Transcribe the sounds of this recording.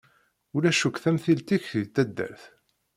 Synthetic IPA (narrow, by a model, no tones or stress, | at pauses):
ulæʃukθæmθilt̪içit̪ːæd̪ːæ̰ɾθ